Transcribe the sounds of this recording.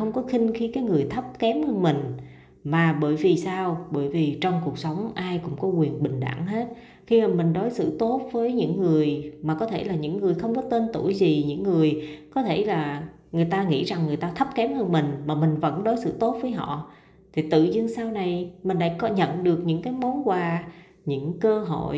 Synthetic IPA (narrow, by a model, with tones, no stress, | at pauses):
xə˧wŋ͡mkɔ˨˦xï˧ŋ̟xi˧kaː˨˦jŋɨ˨˩əjt̪ʰə˦˥p̚kɛ˨˦mhəː˧nmï˨˩ŋ̟ | maː˨˩ɓəː˧˩jvi˨˩saː˧wɓəː˧˩jvi˨˩t͡ɕɔ˧wŋ͡mku˨˩ək̚sə˨˦wŋ͡mʔaː˧jkʊ̰˧˥ŋ͡mkɔ˨˦kwi˨˩ənɓï˨˩ŋ̟ɗa̰ː˧˩ŋɦe˦˥t̚ | xi˧maː˨˩mï˨˩ŋ̟ɗɔ˨˦jsɨ̰˧˨t̪o˦˥t̚vəː˨˦jɲɨ̰˧˥ŋːɨ˨˩əjmaː˨˩kɔ˨˦t̪ʰe˧˩laː˨˩ɲɨ̰˧˥ŋːɨ˨˩əjxə˧wŋ͡mkɔ˨˦t̪e˧nt̪u˧˩jzi˨˩ɲɨ̰˧˥ŋːɨ˨˩əjkɔ˨˦t̪ʰe˧˩laː˨˩ | ŋɨ˨˩əjt̪aː˧ŋḭ˧˥za˨˩ŋːɨ˨˩əjt̪aː˧t̪ʰə˦˥p̚kɛ˨˦mhəː˧nmï˨˩ŋ̟maː˨˩mï˨˩ŋ̟və̰˧˥nɗo˨˦jsɨ̰˧˨t̪o˦˥t̚vəː˨˦jɦɔ̰˧˨ | t̪ʰi˨˩t̪ɨ̰˧˨zɨ˧əŋsaː˧wna˨˩jmï˨˩ŋ̟la̰ː˧˥jkɔ˨˦ɲə̰˧˨nɗɨ˨˩ək̚ɲɨ̰˧˥ŋkaː˨˦jmɔ˨˦nkwaː˨˧˩ | ɲɨ̰˧˥ŋkəː˧ɦo̰˧˨j